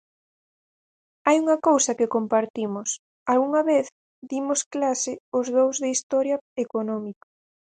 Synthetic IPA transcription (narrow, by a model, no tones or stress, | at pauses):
ajuŋɐkowsɐkɪkompaɾt̪imʊs | alɣuŋɐβeθ | d̪imʊsklasɪʊzðowzðeist̪ɔɾjɐekonɔmikḁ